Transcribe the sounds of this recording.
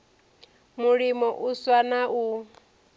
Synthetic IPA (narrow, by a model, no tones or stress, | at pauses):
muɺimɔʔuswanaʔu